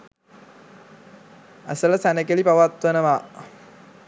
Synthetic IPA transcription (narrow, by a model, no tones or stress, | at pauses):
æ̰sələsænəkelipaʋat̪ʋənəʋa